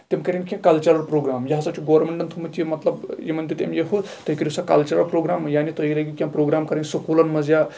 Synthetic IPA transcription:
t̪emkɐɾʲinkʲẽkɐlt͡ʃɐɾɐɾpɾoɡɾamjɐɦasat͡ʃʰiɡoʋɾmeɳʈənt̪ʰumət̪ʰimɐt̪lɐbjemɐnd̪it̪ḛmjeɦut̪əɦkiɾʲisakɐ̰lt͡ʃɐɾɐɾpɾoɡɾamjanit̪əɦiləɡʲikʲjãmpɾoɡɾamkɐɾənʲsəkulɐnmɐd͡zja

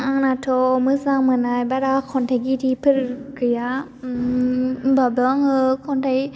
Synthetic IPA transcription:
aŋnatʰɔmɯzaŋmɯnajbaɾakʰɔntʰajɡitipʰɯɾkʰɯja | babɔŋɯkʰɔntʰaj

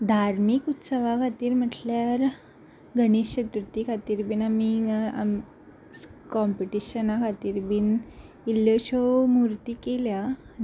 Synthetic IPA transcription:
d̪ʱaɾmikut̪səʋakʰat̪iːɾm̤əʈljaɾ | ɡʱəɽ̃isɕət̪ɾut̪ikʰat̪iːɾbiːnamiam | kɔmpiʈiɕənakʰat̪iːɾbiːn | ilːəɕɔmuɾt̪iːkelja

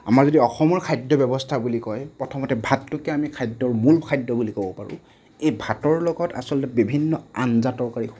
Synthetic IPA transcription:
a̰maɹzɔdiɔxɔmɔɹkʰajdɔbɔbɔstʰabulikɔjpɹɔtʰɔmɔtɛbʱatːʊkɛamikʰajdːɔɹmulkʰajdːɔbulikobɔpaɹʊ̰̃ | ejbʱatɔɹlɔɡɔta̰sɔlɔtɛbibʱinːɔanzatɔɹkaɹi

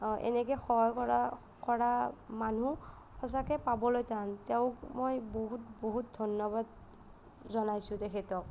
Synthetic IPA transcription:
ʔɛ̰nɛkɛxɔɦɔjkɔɹa | kɔɹamanu | xɔs̬akɛpabɔlojtanteʊkmojboɦutboɦut̚dʱɔnjɔbad | zɔnajsʊ̃tɛkʰɛtɔk̚

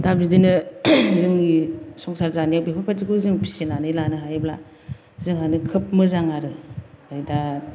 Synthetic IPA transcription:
dab̚zidinɯzɯŋisɔŋsaɾzaniawbepʰapʰatikuzɯŋpʰi̥sinanɯlanɯɦajbla̰ | zɯŋɦanɯkʰɯp̚mɯzaŋaɾɯajda

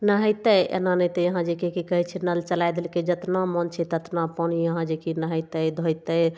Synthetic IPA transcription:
nəɦəjt̪əjḛnanəjt̪əjəɦãd͡ʒekekikəɦɛt͡ʃʰinəlt͡ʃəlajd̪elked͡ʒət̪namənt͡ʃʰɛt̪ət̪napənijəɦãd͡ʒekinəɦəjt̪əd̪ʱojt̪əj

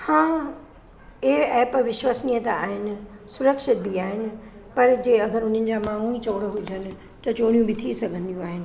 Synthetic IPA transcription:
hãː | eɛːpʋɪʃwaːsnijət̪aa̰ːɦɪnɪ̆sʊɾəkʃɪt̪̚biaːɦɪnɪ̆pɐɾd͡ʑeːɐd̪ʱəɾʊn̤ənɪ̆d͡ʑaːmaːɦũit͡ɕoːɽəɦʊd͡ʑənɪ̆ | t̪ɐt͡ɕoːɽ̃ijũbɪt̪ʰisɐɡʱə̃nd̪ijũaːɦɪnɪ̆

